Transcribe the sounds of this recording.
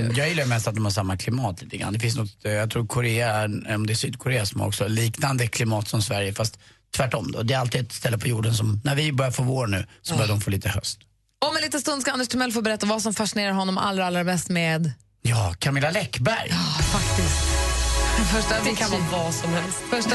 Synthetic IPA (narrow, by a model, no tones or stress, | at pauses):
jɑːɡjɪlːajmɛst̪at̪̚d̪ɔmhaʂamːakʰlɪmɑːt̪liːt̪əɡɾa̰nd̪ɛfɪnsnɔt̪jɑt̪ʰɾuːɾkʰʊɾeːaɔmd̪ɛːsyːd̪̚kʰʊɾeːasɔm̰ːɔ̰ksɔliːknand̪əkʰlɪmɑːt̪sɔmsvæɾjəfast̪ | t̪ʰːvæʈːɔmd̪ɔ̰d̪ɛːɾalt̪iːd̪ɛt̪st̪ɛlːəpʰɔjuːɖəns̬ɔmnæɾvɪbœɾjaɾfoːvoːɾnʉ̟ːsɔbœɾjad̪ɔmfoːliːt̪əhœ̰st̪ | ɔmɛnliːt̪əst̪ɵnd̪skaand̪ɛʂt̪ʰɵmɛlːfoːɾbɛɾɛt̪ːavasɔmfaʂɪneːɾaɾɦɔnːɔmʔa̰lːɾaalːɾamɛst̪med̪ | jɑːkʰamɪlːalɛkːbæɾjfakt̪ɪst̪ | fœʂʈaɪkʰanɔvasɔmhɛlst̪fœʂ